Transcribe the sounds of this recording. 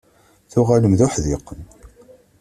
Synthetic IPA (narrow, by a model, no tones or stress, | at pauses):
θʊʁaləmðʊħðɪqːən